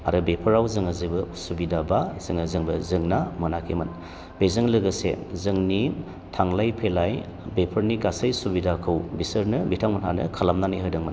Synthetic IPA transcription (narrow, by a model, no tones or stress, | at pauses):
a̰ɾɯbepʰɯɾawzɯŋazibɯsubidabazɯŋazɯŋbɯzɯŋnamɯnakʰemɯn | b̥ezɯŋlɯɡɯsḛzɯŋni | tʰaŋlajpʰelaj | bepʰəɾniɡasajsubidakʰɯwbisəɾnɯmitʰaŋmɯnɦa̰nɯ̰kʰalamnaniɦɯjdɯŋmɯn